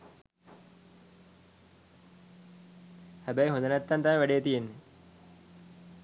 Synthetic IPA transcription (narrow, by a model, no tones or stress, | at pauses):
hæbæjɦõnd̪ənæt̪ːant̪aʋəʋæɖejːət̪ijenːe